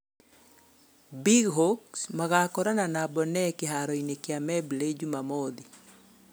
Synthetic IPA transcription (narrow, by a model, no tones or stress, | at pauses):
biɡɦoksmaɣakɔɾananabɔnɛkɪɦaɾɔinekɪamɛbled͡ʒumamod̪i